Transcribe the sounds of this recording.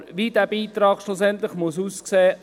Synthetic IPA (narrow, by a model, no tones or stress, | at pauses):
ʋidæːb̥iːt̪ɾɑːkʃlusɛnt̪lɪχmʊsuːskseː